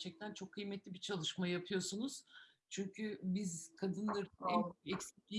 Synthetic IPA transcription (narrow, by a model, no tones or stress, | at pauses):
t͡ʃʰɛc̚t̪ʰænt͡ʃʰo̞kʰːɯjmɛt̪ʰlʲibit͡ʃʰalˠɯʃmajjapʰɯjo̞sunuz̥ | t͡ʃʰyɲcʰybizkʰad̪ɯnlˠɯɾɛɛcsiclʲi